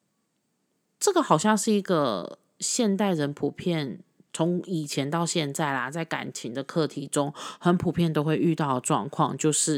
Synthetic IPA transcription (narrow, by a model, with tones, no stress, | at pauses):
ʈ͡ʂɤ˥˩ɡə˨˩xɑ˨˩ʊɕjɑ˥˧ŋʂɻ̩˥˩i˧˥ɡə˨ | ɕjɛ˥˧nt̪a˥˩ɪɻə˧˥npʰu˨˩pʰjɛ˥˩n | t͡sʰo˧˥ŋi˨˩t͡ɕʰjɛ˧˦˥nt̪ɑ˥˧ʊɕjɛ˥˧nt͡sa˥˩ɪlɐ˩t͡sa˥˩ɪka̰˨˩nt͡ɕʰi˧˦ŋd̪ə˨kʰɤ˥˨t̪ʰi˧˥ʈ͡ʂʊ˦ŋxə˧˥npʰu˨˩pʰjɛ˥˩nt̪o˥ʊxwe˥˧ɪy˥˧t̪ɑ˥˩ʊə˩ʈ͡ʂwɑ̰˥˧ŋkʰwɑ̰˥˧ŋt͡ɕjo˥˧ʊʂɻ̩˥˩